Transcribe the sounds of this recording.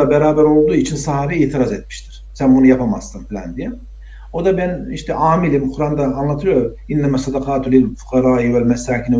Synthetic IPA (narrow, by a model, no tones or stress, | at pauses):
abeɾaːbæɾo̞lˠd̪uːit͡ʃʰinsaɦaːbiiːt̪ʰiɾazɛt̪̚mi̥ʃt̪ʰi̥ɾ̥sænbunujapʰama̰zt̪ɯmfilʲæ̰nd̪ijɛ | o̞d̪abæniʃt̪ʰɛʔaːmilʲimuxɾand̪aːnlˠat̪ʰɯlˠjo̞ɾum | inːæmasːɑd̪ɑqʰaːt̪lɪlfu̥qɑɾaːiwælmɛsaːcinɪ